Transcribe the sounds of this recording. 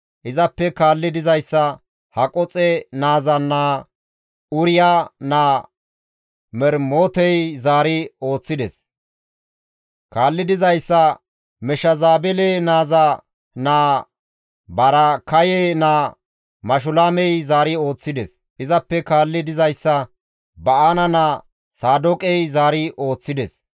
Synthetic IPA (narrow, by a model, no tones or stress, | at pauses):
ʔɪzɐpːɛkaːlːɪd̪ɪzɐjsːɐ | hɐkʼɔt͡sʼɛnaːzɐnːaː | ʊɾɪjaːnaː | mɛɾmoːt̪ɛjzaːɾɪo̞ːt͡sːɪd̪ɛs | kaːlːɪd̪ɪzɐjsːɐ | mɛʃɐzaːbɛleːnaːza | naː | bɐɾɐkɐjenaː | mɐʃ̬ʊlaːmɛjzaːɾɪo̞ːt͡sːɪd̪ɛs | ʔɪzɐpːɛkaːlːɪd̪ɪzɐjsːɐ | bɐʔanɐnaː | saːd̪okʼɛjzaːɾɪʔo̞ːt͡sːɪd̪ɛs